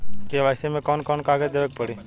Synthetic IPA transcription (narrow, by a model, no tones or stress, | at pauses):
keːʋaːɪseːmẽːkoːnkɔːnkaːɡeːd̪eːʋeːk̚pəɽiː